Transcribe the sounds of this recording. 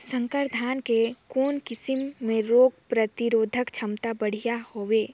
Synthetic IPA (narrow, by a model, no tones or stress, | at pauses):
sə̃ŋkəɾd̪ʱaːnkekoːnkɪsɪmːẽɾoːɡ̚pɾət̪ɪɾoːd̪ʱəkt͡ʃʰɐmt̪abɐɽ̤ijahoːʋeː